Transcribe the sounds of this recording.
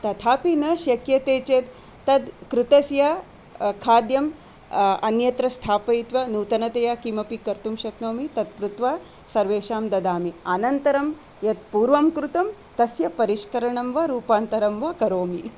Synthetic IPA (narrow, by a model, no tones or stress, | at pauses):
t̪ɐt̪ʰaːpinɐʃjɐkjɐt̪eːt͡ʃeːd̪ː | ɐd̪kɾut̪ɐsjɐ | kʰaːd̪jɐm | ɐnjɐt̪ɾɐst̪ʰaːpɐjit̪ʋɐnuːt̪ɐnɐt̪ɐjaːkiːmɐpikɐɾt̪umʃɐknoːmit̪ɐd̪̚kɾut̪ʋaː | sɐɾʋeːʃaːmd̪ɐd̪aːmiɐnɐnt̪ɐɾɐm | jɐt̪̚puːɾʋɐmkɾut̪ɐm | t̪ɐsjɐpɐɾiʃkɐɾɐɳɐmʋɐɾuːpaːnt̪ɐɾɐmʋɐkɐɾoːmi